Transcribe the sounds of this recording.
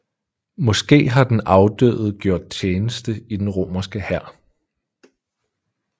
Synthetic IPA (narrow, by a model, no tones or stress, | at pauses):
mɒ̽sɡ̥e̝̰ːɦɑ̈d̥enɑ̈ʊd̥ø̰ːð̞̩ˠɡ̥jo̝ɐ̰d̥̚t͡st͡ɕʰjeːnəsd̥əid̥enʁo̝̰ːmɐsɡ̥əhæɐ̰